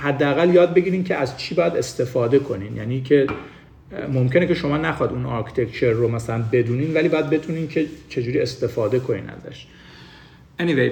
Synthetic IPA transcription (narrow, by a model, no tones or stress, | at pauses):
hæd̪ːeæɣæljɒːd̪̚be̞ɟiːɾiːncʰe̞ʔæzt͡ʃʰiːbɒːjæd̪e̞st̪e̞fɒːd̪e̞kʰo̞niːnjæ̰ːniːcʰe̞ | mo̞mcʲʰene̞kcʰe̞ʃo̞mɒːnæxɒːid̪unɒɾkʰi̥t̪ʰe̞kt͡ʃʰe̞ɾːomæsælænbe̞d̪uːniːnd̪væliːbɒːjæd̪̚be̞t̪ʰuːniːncʰe̞t͡ʃʰe̞d͡ʒuːɾiest̪e̞fɒːd̪e̞kʰo̞nḭːnæ̰zæ̰ʃ | ʔenivej